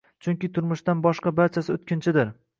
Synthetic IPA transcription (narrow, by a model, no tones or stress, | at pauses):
t͡ʃʰʊŋkʲɪt̪ʰʊɾmʊʃt̪anbɒʃqɑbaɾt͡ʃʰasɪʊt̪̚kʲɪnt͡ʃʰɪd̪ɪɾ